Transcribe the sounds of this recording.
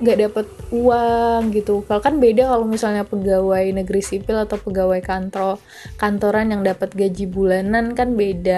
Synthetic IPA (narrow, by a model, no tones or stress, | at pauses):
ŋɡaʔdapət̪̚uaŋɡit̪ukalokanbedakalomisalɲapəɡawajnəɡəɾisipɪlat̪awpəɡawajkant̪ɾo | kant̪oɾanjaŋdapət̪̚ɡad͡ʒibulanankanbeda